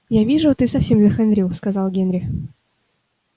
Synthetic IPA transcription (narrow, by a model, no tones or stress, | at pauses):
javʲiʐʊt̪ɨsɐfsʲe̞mzəxanɾʲilˠskazɑlˠɡʲenɾʲɪ